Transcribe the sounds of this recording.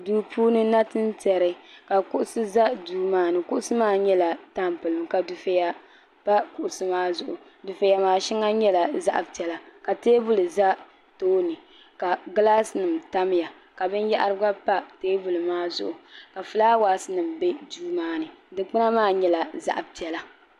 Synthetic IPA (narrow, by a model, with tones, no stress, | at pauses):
duː˦pʰuː˦nɨ˦na˦tɨ˦n˦tɛ˨ɾɨ˦ka˨kʊ˦ʔʊ˦sɨ˦za˦duː˦maː˦nɨ˨kʊ˦ʔʊ˦sɨ˦maː˦ɲɛ˦la˨ta˦mpɨ˨lɨ˨ŋka˨du˨fe˦ja˦ | pa˦kʊ˨ʔʊ˨sɨ˦maː˦zʊ˨ʔʊ˨ | du˨fe˨ja˨maː˨ʃi˦ŋa˦ɲɛ˦la˨za̰˦ʔa˨bti˦ɛ˨la˨ka˨teː˦bʊ˦lɨ˨za˦ | toː˦nɨ˨ | ka˨ɡɨ˦la˦sɨ˨nɨ˨mta˦m˦ja˨ | ka˨bɨ˦nja˦ʔa˦ɾɨ˦ɡa˦pa˦teː˦bu˨lɨ˨maː˦zʊ̰˦˨ʔʊ˨ka˨fɨ˨laː˦waː˨˦sɨ˦nɨ˨mbe˦duː˦maː˦nɨ˨dɨ˨k͡pɨ˦na˦maː˦ɲɛ˦la˨za̰˦ʔa˨bpi˦ɛ˨la˦